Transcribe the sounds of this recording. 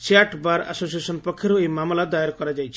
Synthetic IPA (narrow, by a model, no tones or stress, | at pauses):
t͡ʃeaʈbaɾa̰sosiesɔnpɔkʰːjɔɾoejmamlad̪ajɔɾkɔɾad͡ʒajt͡ʃʰi̥